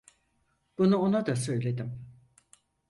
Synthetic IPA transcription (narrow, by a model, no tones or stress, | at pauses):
b̥unuonad̪asø̞jlʲe̞d̪im